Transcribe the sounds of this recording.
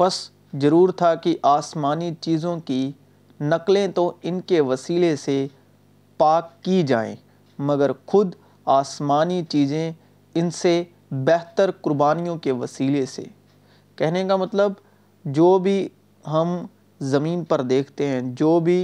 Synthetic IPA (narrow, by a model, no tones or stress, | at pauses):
bɐs | zɐɾuːɾt̪ʰakiʔaːsmaːnit͡ʃiːzõki | nɐklẽt̪oɪnkeʋɐsiːlese | paːkːid͡ʒaːḛ̃ː | mɐɡəɾxʊd̪ | aːsmaːnit͡ʃiːzẽ | ɪnse | bɛɦt̪əɾkʊɾbaːnijõkeʋɐsiːlesḛ | kɛɦnekamɐt̪ləb | d͡ʒoːbʱi | ɦɐm | zɐmiːnpɐɾd̪eːkʰt̪eɦɛ̃d͡ʒoːbʱi